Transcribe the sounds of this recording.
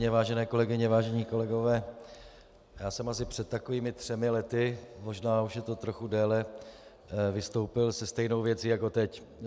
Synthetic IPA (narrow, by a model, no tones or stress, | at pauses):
ɲɛvaːʒɛnɛːko̞lɛɡɪɲɛvaːʒɛɲiːko̞lɛɡo̞vɛː | jaːsɛmas̬ɪpr̥ɛt̪̚ːako̞viːmɪt̪r̝̥ɛmɪlɛt̪ɪmo̞ʒnaːuʃjɛt̪o̞t̪ɾo̞xudɛːlɛ | vɪst̪o̞wpɪlsɛst̪ɛjno̞wvjɛt͡siːjako̞t̪ɛc